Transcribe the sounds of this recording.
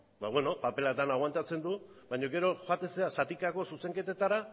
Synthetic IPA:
baβwe̞no̞pape̞lat̪anaɣwant̪at͡se̞nd̪u | bajɲo̞ɡe̞ɾo̞xat̪eseasat̪ikako̞suse̞ŋke̞t̪e̞t̪aɾa

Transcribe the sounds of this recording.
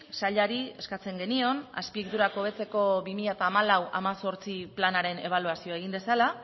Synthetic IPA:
saʎaɾie̞skat͡se̞ŋɡe̞nio̞na̰spiekt̪uɾako̞β̞e̞t͡se̞ko̞βimiʎaet̪aːmalawa̰maso̞ɾt͡siplanaɾe̞ne̞β̞aluasio̞aeɣind̪e̞sala

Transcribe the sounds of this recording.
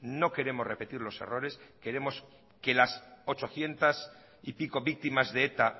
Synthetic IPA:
no̞ke̞ɾe̞morepe̞t̪iɾlo̞se̞̰ro̞ɾe̞ske̞ɾe̞mo̞s | ke̞laso̞t͡ʃo̞θje̞nt̪as | ipiko̞βik̚t̪imazðeet̪a

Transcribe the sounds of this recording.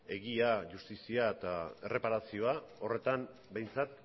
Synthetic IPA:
e̞ɣiaʝust̪isiaet̪ae̞re̞paɾasio̞ao̞re̞t̪an | be̞jnt͡sat̪

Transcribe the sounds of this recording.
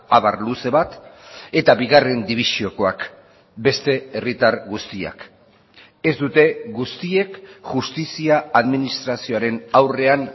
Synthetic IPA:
aβarluse̞βat̪e̞t̪aβiɣare̞nd̪iβ̞isio̞ko̞ak | be̞st̪e̞erit̪aɾɣust̪ia̰k | e̞zd̪ut̪e̞ɣust̪ie̞kʝust̪isiaːðminist̪ɾasio̞aɾe̞nawre̞an

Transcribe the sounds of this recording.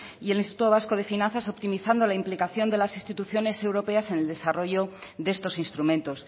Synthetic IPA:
ie̞linst̪it̪ut̪o̞βaskoð̞e̞finãnθaso̞pt̪imiθand̪o̞laimplikaθjo̞nd̪e̞lasinst̪it̪uθjo̞ne̞se̞wɾo̞pe̞ase̞ne̞ld̪e̞saro̞ʝoðe̞st̪o̞sinst̪ɾumẽnt̪o̞s

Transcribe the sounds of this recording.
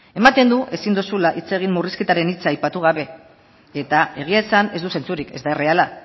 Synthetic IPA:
e̞mat̪e̞nd̪uʔe̞sind̪usulaʔit͡se̞ɣ̞imːuriske̞t̪aɾe̞nit͡saajpat̪uɣ̞aβe̞ | e̞t̪ae̞ɣ̞iaesane̞zd̪use̞nt͡suɾike̞zd̪aere̞ala

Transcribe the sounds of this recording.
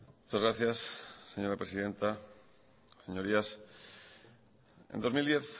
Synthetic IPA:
mut͡ʃazɣɾaθjasːeɲo̞ɾapɾesiðẽ̞nt̪a | seɲo̞ɾias | ḛnd̪o̞zmild̪je̞θ

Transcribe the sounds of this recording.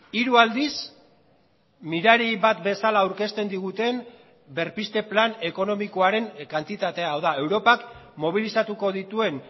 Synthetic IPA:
iɾuald̪is | miɾaɾiβat̪be̞salaːwɾke̞st̪e̞nd̪iɣ̞ut̪e̞m | be̞ɾpist̪e̞plane̞ko̞no̞miko̞aɾe̞ŋkant̪it̪at̪e̞aːwðae̞wɾo̞pakmo̞β̞ilisat̪uko̞ðit̪ue̞n

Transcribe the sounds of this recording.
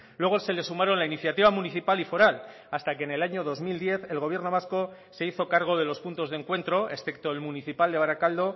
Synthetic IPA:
lwe̞ɣ̞ose̞le̞sumaɾo̞nlainiθjat̪iβamuniθipalifo̞ɾal | ast̪ake̞ːnelaɲo̞ð̞o̞zmild̪je̞θe̞lɣo̞βje̞ɾno̞βasko̞ | se̞iθo̞kaɾɣ̞o̞ð̞e̞lo̞spunt̪o̞zðeŋkwe̞nt̪ɾo̞e̞sθe̞k̚t̪o̞elmuniθipald̪eaɾakald̪o̞

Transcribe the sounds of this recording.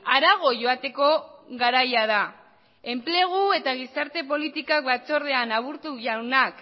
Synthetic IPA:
aɾaɣ̞o̞ʝo̞at̪e̞ko̞ɣaɾajað̞a | e̞mple̞ɣ̞ue̞t̪aɣ̞isaɾt̪e̞p̬o̞lit̪ikak̚bat͡so̞ɾðe̞anaβ̞uɾt̪uʝawnak

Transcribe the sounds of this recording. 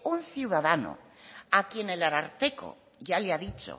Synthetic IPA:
unθjiuðaðano̰akje̞nelaɾaɾt̪eko̰ | ʝaleaðit͡ʃo̰

